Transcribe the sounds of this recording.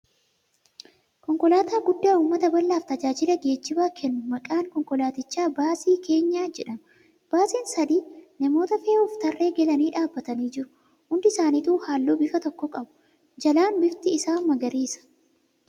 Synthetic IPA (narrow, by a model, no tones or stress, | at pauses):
kɔŋkɔlaːt̪aːɡʊd̪ːaːuːmːɐt̪ɐbɐlːaːft̪ɐd͡ʒaːd͡ʒɪlɐɡe̞ːd͡ʒːɪbaːkʰɛnːʊmɐkʼaːŋkɔŋkɔlaːt̪ɪt͡ʃːaːbaːsiːke̞ːɲːaːd͡ʒɛᶑɐmɐ | b̥aːsiːnsɐd̪iːnɐmo̞ːt̪ɐfeːʊft̪ɐrːe̞ːɡɛlɐniːᶑaːbːɐt̪ɐniːd͡ʒɪɾʊ̥ | hʊnd̪ɪɪsaːniːt̪uːhaːlːoːbɪfɐt̪ɔkːɔkʼɐbʊ̥ | d͡ʒɐlaːnbɪft̪ɪːsaːnmɐɡɐɾiːsɐ̥